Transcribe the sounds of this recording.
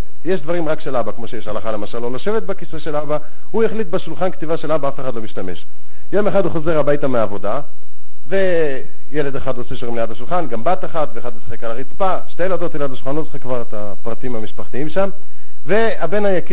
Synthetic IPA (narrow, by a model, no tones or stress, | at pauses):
jeʃd̪vaʁimʁakʃelabakmo̞ʃejeʃalaχale̞maʃalːo̞laʃe̞vet̪bekiseʃe̞laba | hujeχlit̪beʃulχankt̪ivaʃe̞labaafeχadlomiʃtame̞ʃ | jo̞meχaduχoze̞ʁhabajtameaːvo̞da | ve̞ | jele̞d̪eχadoseʃoʁimlejadhaʃulχanɡambat̪aχat̪veːχad̪usḁχekalaʁit͡spa | ʃte̞jelad̪ot̪eladhaʃulχanlosḁχekːvaʁet̪a | pʁat̪iimhamiʃpaχt̪iimʃam | ve̞ | abe̞najaki